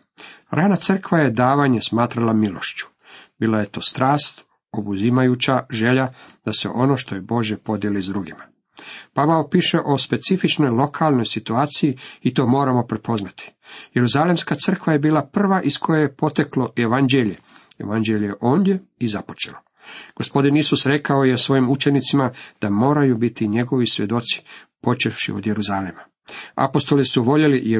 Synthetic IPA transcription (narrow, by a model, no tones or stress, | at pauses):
ɾʔaːnat̪sər̩kʋaje̞d̪aːʋaɲesmaːt̪ɾalamilo̞̰ʃt͡ɕu̥ | biːlˠaje̞t̪o̞ːst̪ɾaːst̪ | obuzimajut͡ɕaʒe̞ʎad̪̥ase̞̰ʔo̞no̞ːʃt̪ojebo̞ʒjepo̞d̪jelizd̪ɾuɡima | paʋaopiːʃe̞ʔo̞spe̞t̪sifit͡ʃno̞jlo̞kʰalˠno̞jsit̪uaːt̪sijiit̪o̞ːmo̞ːɾamo̞pɾepo̞znat̪i̥je̞ɾuzalemskat̪sr̩kʋaje̞biːlapr̩ʋaʔiskʰo̞jejepo̞t̪eklo̞jeʋand͡ʒeʎejeʋand͡ʒeʎeʔo̞ːnd̪je̞izapo̞̥t͡ʃḛlo | ɡ̥o̞spo̞d̪inisusɾe̞kaojesʋo̞jimut͡ʃe̞nit̪simad̪̥amo̞ːɾajubit̪iɲe̞ɡo̞ʋisʋʲje̞d̪o̞t̪si̥ | po̞t͡ʃefʃḭo̰d̪jeɾuzalema | a̰po̞st̪o̞lisuʋo̞ʎe̞lij